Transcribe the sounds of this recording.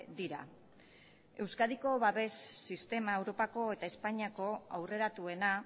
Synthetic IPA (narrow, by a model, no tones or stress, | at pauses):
d̪iɾa̰ | e̞wskaðiko̞βaβe̞sːist̪e̞mae̞wɾo̞pako̞e̞t̪aespaɲiako̞a̰wre̞ɾat̪ue̞na